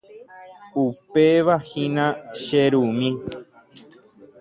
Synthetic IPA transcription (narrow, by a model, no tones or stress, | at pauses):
upeʋahĩnãʃeɾumĩ